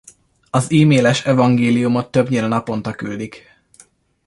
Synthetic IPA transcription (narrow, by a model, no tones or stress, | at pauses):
ɒziːmeːlɛʃɛvɒŋɡeːlijumot̪ːøbɲilnɒpo̞nt̪ɒkyld̪ik